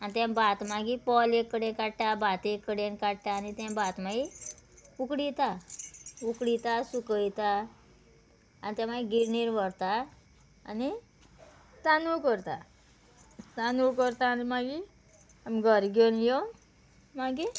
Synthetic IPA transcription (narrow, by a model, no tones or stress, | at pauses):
anit̪ɛ̃bat̪maɡipɔlekːəɽẽkaɽʈabat̪ekːəɽenkaɽʈaːnit̪ɛ̃bat̪maɡi | ukɽit̪a | ukɽit̪asukəjt̪a | anit̪jɛ̃maɡiɡiɾniɾʋəɾt̪a̰ː | ni | t̪anukəɾt̪a | t̪anukəɾt̪aːnimaɡi | amɡʱəɾɡenjo | maɡi